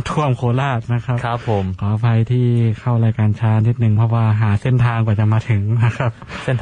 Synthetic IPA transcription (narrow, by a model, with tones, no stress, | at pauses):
t̪ʰu˧˩əmkʰoː˧˦laː˥˩t̪̚na˦˥kʰa˦pkʰa˦˧pʰːo˩˦mpʰɔː˩˦˧pʰa˧jt̪ʰiː˥˩kʰa˥˩wɾaː˧jkaː˧nt͡ɕʰaː˧˥˧ni˦˥t̪̚nɯ˨˧ŋpʰɔ˧˥waː˧ɦaː˩˦se˥˩nt̪ʰaː˧ŋkɔː˨˩t͡ɕa˨˩maː˧t̪ʰɯ˩˦ŋna˦˥kʰa˦˥p̚se˥˩n